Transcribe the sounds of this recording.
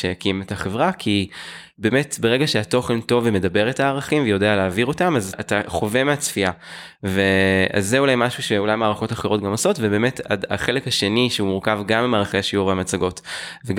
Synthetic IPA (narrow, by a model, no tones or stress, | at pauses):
ʃejakimetaχe̞vʁakʰi | be̞ːme̞tbe̞ʁe̞ɡaʃeato̞χe̞nto̞veme̞dabe̞ʁetaːʁaχimvejo̞de̞aleaːviʁo̞tamazataχo̞ve̞meat͡sfia | vea̰zːeulajmaʃuʃe̞ulajmaːʁaχotaχeʁo̞tɡamoso̞tvebe̞ːmeta̰da̰χe̞lekhaʃe̞niʃeumuʁkavɡamemaːʁaχeaʃiuʁveamat͡saɡo̞tveɡ